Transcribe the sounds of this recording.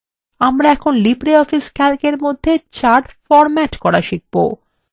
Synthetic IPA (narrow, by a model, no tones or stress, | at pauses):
amɾaɛkʰonlipɾeɔfiskɛlkeɾmod̪ʱːet͡ɕaɾʈfɔɾmɛʈkɔɾaʃik̚bo̰